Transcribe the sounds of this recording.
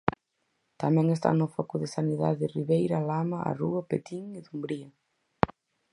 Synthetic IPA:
t̪amɛ̃ŋes̬t̪a̰nʊfɔkʊðɪsaniða̰ðɪriβejɾalamɐa̰ruɐpet̪iŋɪðumbɾiɐ

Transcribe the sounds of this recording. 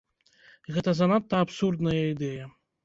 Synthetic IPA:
ɣɛt̪ɐzɐnat̪ːɐːpsurd̪nɐjɐid̪ɛjɐ

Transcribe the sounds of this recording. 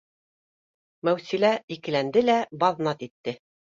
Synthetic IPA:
mæwsilæikɘ̆lænd̪ɘlæbɑðnɑt̪it̪ːɘ

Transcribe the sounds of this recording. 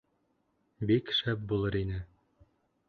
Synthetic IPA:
bikʃæp̚bulˠɤɾinɘ

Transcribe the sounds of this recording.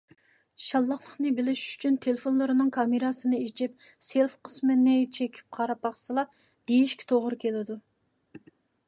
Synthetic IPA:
ʃɑlˠːɑχlˠəχnɨbɪlɪʃy̥t͡ʃʰynt̪ʰelefonlˠɨɾɨnɨŋkʰɑmeɾɑsɨnɨet͡ʃʰɪp | selfqʰə̥smɨnɪt͡ʃʰekʲʰi̥p̚qʰɑɾɑpɑχsɨlˠɑ | d̪̥ejiʃkʲi̥t̪ʰoʁɾɨkʲʰelɪd̪u

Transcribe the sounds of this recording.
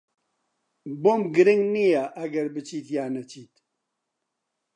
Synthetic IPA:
boːmɡɨɾɪŋɡnijaʔɐɡɐɾbɨt͡ʃiːt̪jaːnɐt͡ʃʰiːt̪

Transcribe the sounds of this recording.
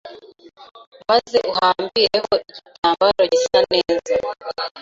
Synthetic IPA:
mazeʔuhaːmbiɾeko̞ʔicitaːmbaɾoɟisaneːza

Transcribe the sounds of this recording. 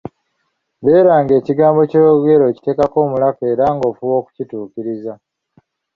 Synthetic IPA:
βe̞ːɾaːŋɡe̞ːciɡaːmbo̞cojoɡe̞ɾo̞ːci̥te̞ːkako̞ːmulake̞ːɾaŋɡo̞ːfuwo̞ːku̥cituːkiɾiza

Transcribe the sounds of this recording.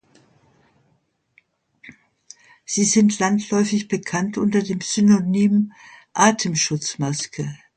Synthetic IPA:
z̥iːzɪntʰlantʰlɔʏfɪçb̥əkʰantʔʊntɐdeːmz̥ynonyːmʔaːtʰəmʃʊt͡smaskə

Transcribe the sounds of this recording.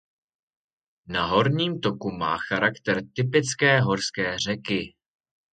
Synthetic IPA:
naɦo̞ɾɲiːmt̪o̞kuma̰ːxaɾakt̪ɛɾt̪ɪpɪt͡skɛːɦo̞ɾskɛːr̝ɛkɪ

